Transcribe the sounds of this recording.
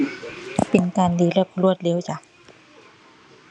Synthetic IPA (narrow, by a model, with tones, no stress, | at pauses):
pe˨˩nkaː˨ndiː˨˧˦lɛ˧˩p̚lu˧˥˩ət̪̚le˧˦wt͡ɕa˧˦